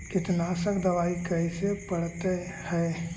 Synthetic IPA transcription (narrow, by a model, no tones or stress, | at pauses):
kɪt̪nasəkd̪ɐʋaːikɐisepɐɽt̪e | hɛː